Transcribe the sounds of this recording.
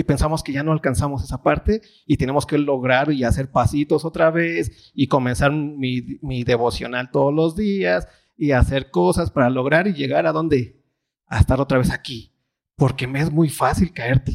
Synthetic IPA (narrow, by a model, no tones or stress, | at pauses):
ipe̞nsamo̞ske̞ʝano̞alkansamo̞se̞sapaɾt̪e̞ | it̪ene̞mo̞ske̞lo̞ɣɾaɾiase̞ɾpasit̪o̞so̞t̪ɾaβe̞s | iko̞mẽ̞nsaɾmimiðe̞βo̞sjo̞̰nalt̪o̞ðolo̞zðias | iase̞ɾko̞saspaɾalo̞ɣ̞ɾaɾiʝe̞ɣaɾaðo̞nd̪e̞ | a̰est̪aɾo̞t̪ɾaβe̞saki | po̞ɾke̞meezmujfasilkae̞ɾt̪e̥